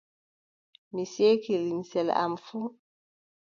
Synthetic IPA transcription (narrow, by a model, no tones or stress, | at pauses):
misekilinsɛla̰mfu